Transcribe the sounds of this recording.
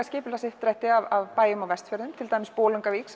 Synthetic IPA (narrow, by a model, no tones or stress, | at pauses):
askcɪːpʏlasɪht̪ɾɛht̪ɪavavpaːjʏmawvɛst̪fœɾðʏmt̪ʰɪlt̪ajmːɪspoːlʏŋkaviːks